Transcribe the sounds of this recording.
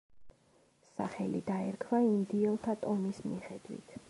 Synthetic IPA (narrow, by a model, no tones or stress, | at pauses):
sa̰χɛlḭd̪aɛɾkʰvaimd̪iɛlˠt̪ʰat̪ʼɔmismiχɛd̪̥wḭt̪ʰ